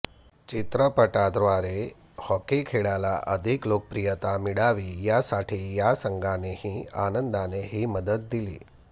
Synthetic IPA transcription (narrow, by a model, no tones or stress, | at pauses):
t͡ɕit̪ɾəpəʈad̪ɾʋaɾe | hɔkikʰeɽalaʔəd̪ʱiklokəpɾijət̪amiɽaʋiːjasaʈʰiːjasəŋɡʱanehiːa̰nənd̪aneɦiːməd̪ət̪̚d̪ilḭː